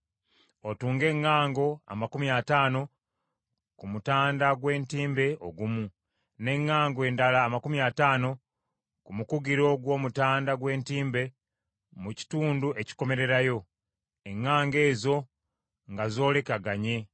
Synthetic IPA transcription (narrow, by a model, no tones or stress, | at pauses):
otuːŋɡe̞ŋːaːŋɡo̞a̰makumiataːno̞ | kumutaːndaɡwe̞ːntiːmbe̞o̞̰ɡumu | ne̞ŋːaːŋɡoe̞ːndalaːmakumiataːno̞ | kumukuɡiɾo̞ɡwo̞ːmutaːndaɡwe̞ːntiːmbe̞ | muci̥tuːnduʔe̞ci̥ko̞me̞ɾe̞ɾajo̞ | eŋːaːŋɡe̞ːzo̞ | ŋɡazo̞ːle̞kaɡaɲe̞